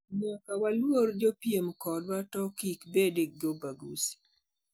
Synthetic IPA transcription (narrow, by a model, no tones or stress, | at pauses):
ɲakawalwoɾd͡ʒopjemkɔdwatɔkikbedek̚d͡ʒobaɡusi̥